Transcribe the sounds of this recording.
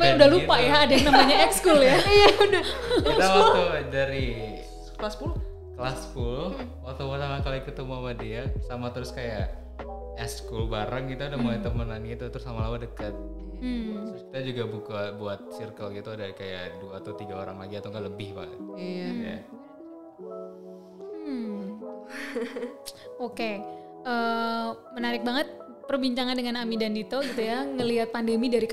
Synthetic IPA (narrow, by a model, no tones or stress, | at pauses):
maudahlupajaːdanamaɲaɛkskuljaijaudakit̪afaodaɾi | klaspul | klaspulwat̪obat̪amakalikət̪umamadiasamat̪əɾʊskajaʔ | ɛskʊlbaɾaŋɡit̪uudahmolajt̪əmənanɡit̪ut̪əɾʊsamalamadəkət̪̚ | ki̥t̪ad͡ʒuɡabukabuat̪̚sirkəlɡit̪uadakajaʔduaːt̪awt̪iɡaoɾaŋlaɡiat̪aŋɡaʔləbɪhba̰ə̰t̪ja | oke | ʔə | mənaɾɪk̚baŋət̪̚ | pərbiɲt͡ʃaŋandəŋanamidandit̪oɡit̪ujaŋəliɦat̪̚pandəmidaɾi